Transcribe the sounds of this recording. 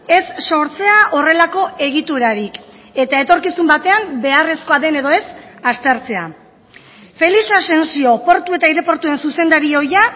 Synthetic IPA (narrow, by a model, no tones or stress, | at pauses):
e̞sːo̞ɾt͡se̞aʔo̞re̞lako̞ʔe̞ɣ̞it̪uɾaɾik | e̞t̪ae̞t̪o̞ɾkisumbat̪e̞ambe̞are̞sko̞aðe̞ne̞ðo̞e̞sast̪e̞ɾt͡se̞a̰ | fe̞lisase̞nsio̞po̞ɾt̪ue̞t̪aiɾe̞po̞ɾt̪ue̞nsuse̞nd̪aɾio̞ja